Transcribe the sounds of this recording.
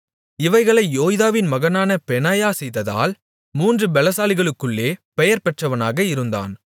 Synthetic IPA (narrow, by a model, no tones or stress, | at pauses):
ɪʋɐɪɣɐɭɐɪjoːjɪðaːʋɪnmɐɣɐnaːnɐpɛnaːjaːsɛjðɐða̰ːl | muːndrɯbɛlɐsaːlɪɣɐɭɯkːɯɭːeːpɛjɐɾpɛʈrɐʋɐnaːɣɐɪɾɯnd̪a̰ːn